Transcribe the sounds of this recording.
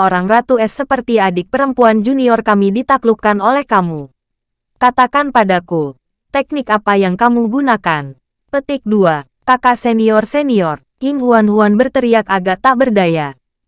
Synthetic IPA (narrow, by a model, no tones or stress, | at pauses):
ʔoɾaŋrat̪uɛsːəpərt̪iadɪk̚pəɾəmpuand͡ʒuniɔrkamidit̪aklukanolɛhkamu | kat̪akanpadaku | t̪ɛk̚nɪkapajaŋkamuɡunakan | pət̪ɪk̚dua | kakasɛniɔrsɛniɔr | ɪŋhuanhuanbərt̪əɾiakaɡaʔt̪aʔbərdaja